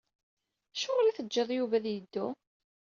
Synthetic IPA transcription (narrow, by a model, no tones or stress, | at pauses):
ʃʊʁlæθəd͡ʒːəðˤjuvæðjəd̪ːu